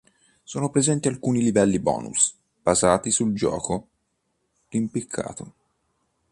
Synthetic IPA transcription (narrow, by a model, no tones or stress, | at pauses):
soːnopɾezɛnt̪ialkuːnilivɛlːibɔ̰ːnṵs | b̥azaːt̪isuld͡ʒɔ̰ːko | limpikʰːa̰ːt̪o